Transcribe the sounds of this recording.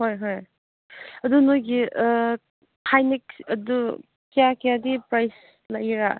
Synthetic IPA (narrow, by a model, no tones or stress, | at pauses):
hojɦoj | ɐdunojɡi | kʰajniksɐdu | kijakijadipɾajs | lajɾa